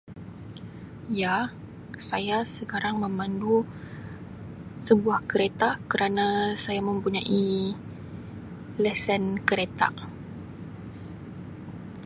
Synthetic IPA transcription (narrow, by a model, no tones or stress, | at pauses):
ja | sajasəkaɾaŋmə̃mãndu | səbuahkəɾet̪akəɾanãsajamə̃mpuɲaʔi | lɛsənkəɾet̪a̰ʔ